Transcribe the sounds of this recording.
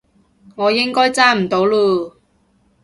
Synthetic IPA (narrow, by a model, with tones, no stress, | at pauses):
ŋɔː˨˧jɪ˥ŋkɔː˥jt͡saː˥m̩˨˩t̪o˨˥wluː˧